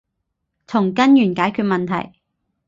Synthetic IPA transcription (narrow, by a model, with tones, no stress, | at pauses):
t͡sʰʊ˨˩ŋkɐ˥njyː˨˩nkaː˨˥jkʰyː˥˧t̚mɐ˨nt̪ʰɐ̰˨˩j